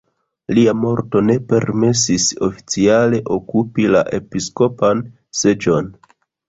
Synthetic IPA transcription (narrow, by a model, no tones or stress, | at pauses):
liamo̞ɾto̞ne̞pe̞ɾmes̬iso̞fi̥t͡siale̞ʔo̞kupila̰ʔe̞pisko̞pan | se̞d͡ʒo̞n